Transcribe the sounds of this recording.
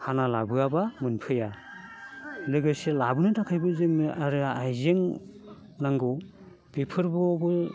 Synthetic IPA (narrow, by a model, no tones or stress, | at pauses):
hanalabɯabamɯnpʰɯja | lɯɡɯselabɯnɯtʰakʰajbɯzɯŋɯʔaɾɯajzeŋ | naŋɡɔ | pepʰɯɾbɔbɯ